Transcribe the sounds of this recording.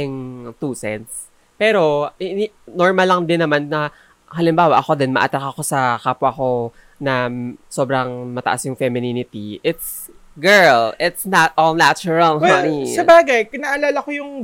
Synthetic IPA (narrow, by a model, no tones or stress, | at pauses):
ɪŋt̪uːsɛ̰nt̪s | pɛːɾo̞ɪn | noɹmɐlːɐŋd̪ɪnːɐmanːɐ | ɦɐlɪmbaːwɐʔɐko̞d̪ɛnmɐ̰ʔɐt̪ɾakɐko̞sɐkaːpwɐko̞ | nɐso̞ːbɾɐŋmɐt̪ɐʔasjʊŋfɛmɪninɪt̪iʔɪt̪s | ɡɛɹlɪt̪snat̪̚ʔolnat͡ʃʊɹɐlɦanisɐbaːɡɐjkɪnaʔɐlaːlɐkojʊŋ